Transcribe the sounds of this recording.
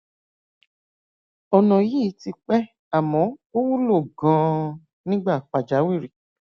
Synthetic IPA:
ɔ˧nɔ̃˨ji˦ti˧k͡pɛ˦ | a˨mɔ̃˨˦o˦wu˦lo˦˨ɡã˨˧˦ | nĩ˦ɡ͡ba˦˨k͡pa˨d͡ʒa˨˦wi˦˨ɾi˨

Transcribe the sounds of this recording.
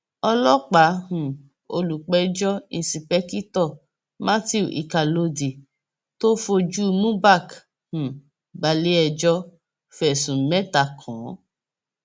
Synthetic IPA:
ɔ˧lɔ˦k͡pa˨˦hũ˨ | o˧lu˨k͡pɛ˧˦d͡ʒɔ˦ĩ˦˨si˨pɛ˦ki˦tɔ˦˨ | mã˦ti˦u˨ʔḭ˨ka˨lo˧di˨ | to˦fo˧d͡ʒu˦mũ˦ba˦˨k | hũ˨ | ba˧li˦ɛ˧d͡ʒɔ˦ | fɛ˨sũ˨mɛ˦ta˨kʰɔ̃˨˦

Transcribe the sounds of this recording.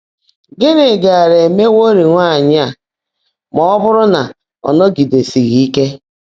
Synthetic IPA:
ɡɪ˦nɪ˨ɡa˨a˨ɾe˨me˦wo˦ɾi˨ŋʷa˦˨ɲɪ˦a˨ | mɔ˦ɔ˦bʊ˦ɾʊ˦na˨ | ɔ̰˨nɔ˦ɡi˨de˨si˨ɣi˨i˦ke˦

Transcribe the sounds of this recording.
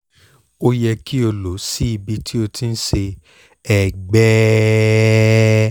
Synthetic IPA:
o˦jɛ˧ki˦o˧lo˨˦si˦i˦˨bi˧ti˦o˧tʰĩ˦˧n̩˦ʃe˧ | ɛ˨ɡ͡bɛ˦

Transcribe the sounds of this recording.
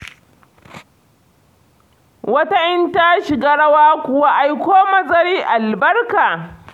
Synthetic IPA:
wɐ˦ta˦ʔɪ˦nta˦ʃɪ˨ɡaː˦ɽɐ˦waː˦kʷʊ˨wa˦ʔa˨jkʷoː˦mɐ˨zɐ˦ɽiː˦ʔa˨lbɐ˦rkaː˨

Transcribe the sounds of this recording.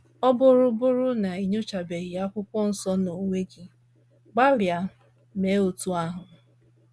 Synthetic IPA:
ɔ˦bʊ˦ɾʊ˦bʊ˦ɾʊ˦na˨i˨ɲu˦t͡ʃa˨be˨ɣɪ˨a˦kʷʊ˦kʷɔ˦n̩˦sɔ˦no˨ŋʷe˦ɡi˨ | ɡ͡ba˦ɾja˨ | me˨˦o˨tu˦a˦ɦʊ˨

